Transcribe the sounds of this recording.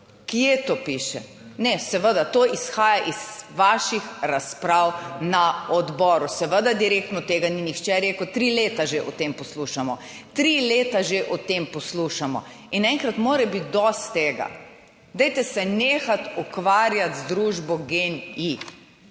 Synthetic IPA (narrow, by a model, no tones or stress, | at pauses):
kjet̪oːpiːʃɛ | nɛsɛʋəd̪at̪oːʔisxaːjaʔiz̥ʋaːʃixɾaspɾawnaɔd̪bɔːɾusɛʋəd̪ad̪iɾeːk̚t̪nɔt̪eːɡaninixt͡ʃɛɾeːkət̪ɾileːt̪aʒeʔɔt̪empɔsluːʃamɔ | t̪ɾileːt̪aʒeʔɔt̪empɔsluʃamɔ̰ | inɛ̃ŋkɾat̪moːɾɛbit̪̚d̪ɔst̪t̪eːɡa̰ | d̪ɛjt̪ɛsɛneːxat̪ukʋaːɾjat̪zd̪ɾuːʒbɔɡeni